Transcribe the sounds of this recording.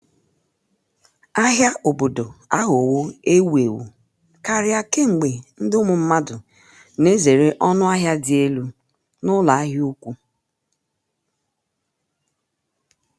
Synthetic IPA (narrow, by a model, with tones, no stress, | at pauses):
a˦ɦja˦ʔo˨bo˨do˨a˦ɦʊ˨wo˦e˦we˨wṵ˨ | ka˨ɾɪ˦a˨ke˦ŋ͡m̩˨ɡ͡be˨n̩˦dɪ˦ʊ˦mʊ˨m̩˦ma˦dʊ˨ | ne˦ze˨ɾe˦ʔɔ˦nʊ˦a˦ɦja˦dɪ˨e˦lu˦ | nʊ˦la˨˦a˦ɦɪ˦u˦kʷu˦